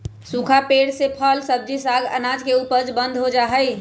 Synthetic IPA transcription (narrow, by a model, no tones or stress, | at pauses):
sũkʰapeːɽsepʰəlsəb̚d͡ʒisaɡə̰naːd͡ʒkeuːpəɾd͡ʒbə̃nd̪ʱɦod͡ʒaːɦəj